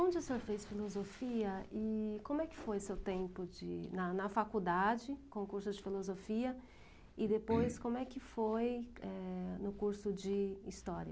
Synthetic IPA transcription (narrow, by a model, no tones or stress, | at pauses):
õd͡ʒɪsoɾfejsfilozofiɐɪkõmʊɛkɪ̥fojʊsewt̪ẽmpʊd͡ʒɪ̰nɐnɐfakud̪ad͡ʒɪkõkuɾsʊd͡ʒɪfilozofiɐ | ɪd̪epojskõmʊɛkɪfojɛnʊkuɾsʊd͡ʒɪist̪ɔɾiɐ